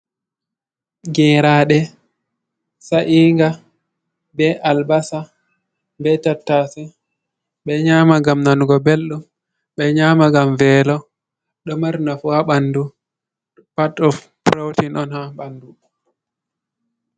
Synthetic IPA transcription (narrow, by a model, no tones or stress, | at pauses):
ɡɛɾaːɗɛ | saʔiːŋɡa | bɛʔalbasa | bɛtatːasɛ | ɓɛɲaːmaɡamnanuɡɔbelɗum | ɓɛɲaːmaɡamvɛːlɔ | ɗɔmaɾnafuhaɓandu | patɔf | pɾowtinʔɔnhabandu